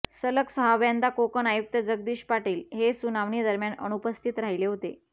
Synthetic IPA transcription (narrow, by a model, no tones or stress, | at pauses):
sələksəɦaʋjand̪akokənajuk̚t̪əd͡zəɡ̚d̪iːɕpaʈiːlɦesunaʋɳiːd̪əɾmjanə̰nupəst̪ʰit̪ɾaɦileɦot̪ḛ